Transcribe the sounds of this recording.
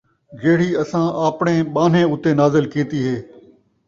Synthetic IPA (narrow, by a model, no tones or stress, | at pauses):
d͡ʒeːɽ̤iːəsãːʔaːpɳẽːɓaːn̤ẽːʊt̪eːnaːzɪlkiːt̪iːɦeː